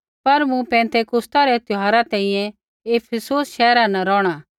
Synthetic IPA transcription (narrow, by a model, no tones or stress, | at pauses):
pɐɾmũpɛ̃ːnt̪ʰekʊst̪aɾɛt̪ʊɦaːɾat̪ɛ̃ːĩjɛ̃ | eːpʰəsoːsʃɛːɾanɐɾɔːɽ̃aː